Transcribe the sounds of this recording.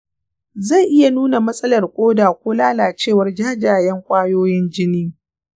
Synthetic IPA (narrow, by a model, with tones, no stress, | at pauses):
za˦˨jʔɪ˦ja˨nuː˦na˨mɐ˦sʼɐ˦lɐ˨rkʷʼoː˦daː˨kʷoː˦laː˦laː˨t͡ʃeː˦˨wɐ˦rd͡ʒaː˦d͡ʒaː˨jɛ˦ŋkʷʼaː˦joː˦jɪ˦nd͡ʒɪ˦niː˦